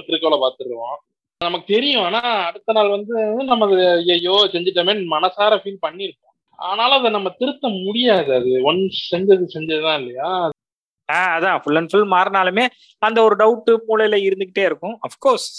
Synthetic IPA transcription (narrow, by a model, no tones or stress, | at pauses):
t̪ɪɾɯkːɐːlɐpaːɾt̪ɯɾɾɯʋõː | nɐmɐkːɯt̪ɛɾɪjʊ̃aːnaːɐɽɯt̪ːɐnaːlʋɐnd̪ɯnɐmːɐðɐjɐjoːsɛɲd͡ʒɪʈːɐːmeːnmɐnɐsaːɾɐfiːlpɐɳːɪɾɯkːõː | a̰ːðnaːlɐɐðɐnɐmːɐt̪ɪɾɯt̪ːɐmʊɽɪjaːðɐɐðɯɔnsɛɲd͡ʒɐðɯsɛɲd͡ʒɐðɯt̪ãːɪlːɐjaːɐ | aːɐðãːfʊlːɐnfʊlmaːɾɐnaːlɯmeː | ɐnd̪ɐɔɾɯɖɐʊʈːɯmuːlɐjɪlɐɪɾɯnd̪ɯk̬ːɪʈːeːɪɾɯkːʊ̃ɐfkoːɾs